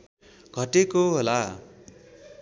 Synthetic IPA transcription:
ɡʱʌʈekoɦola

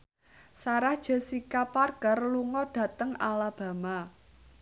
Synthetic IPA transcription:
saɾahd̥ʒ̥ə̤sikaparɡ̥ərluŋɔɖ̥ä̤t̪əŋalab̥ä̤ma

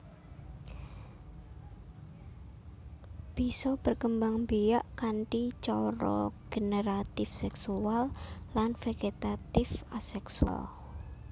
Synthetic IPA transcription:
b̥isɔb̥ərkəmbaŋbijaʔkaɳʈit͡ʃɔɾɔ̰ɡ̥eneɾat̪ɪfsɛksuallanfeɡet̪at̪ɪfasɛksua̰l

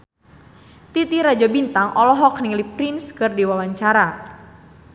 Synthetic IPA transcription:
t̪it̪iɾad͡ʒabint̪aŋʔɔlɔɦɔk̚niŋlipɾinskɨrdiwawaɲt͡ʃaɾa

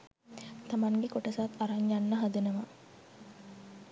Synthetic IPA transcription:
t̪ɐmaŋɡekoʈɐsaːt̪ɐɾaɲjanːəɦɐd̪enɐma

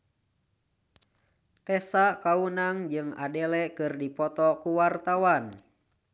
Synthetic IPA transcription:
t̪ɛsakaunaŋd͡ʒɨŋa̰dɛlɛkɨrdipɔt̪ɔkuwart̪awan

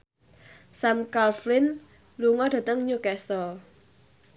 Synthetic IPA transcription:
samkalflɪn | luŋɔd̥ä̤t̪əŋɲukɛsɔ

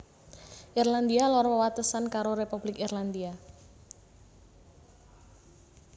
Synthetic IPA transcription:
ʔirland̪ialɔɾɔwat̪əsankaɾoɾepub̥lɪkirland̪ia

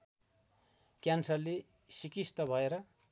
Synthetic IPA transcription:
kjansʌrle | sikist̪ʌbʱʌeɾʌ

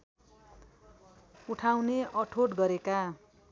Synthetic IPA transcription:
uʈʰawneʔʌʈʰoʈɡʌɾeka

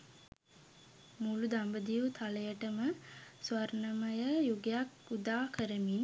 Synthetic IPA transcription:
mulud̪ambəd̪ijut̪ʰaləjəʈəməsʋaɾnəməjəjuɡejakud̪aːkəɾəmin

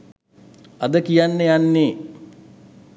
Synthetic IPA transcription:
ad̪əkijanːəjanːeː

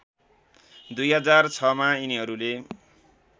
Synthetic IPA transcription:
d̪ujɦʌd͡zart͡sʰʌmainiɦʌɾule

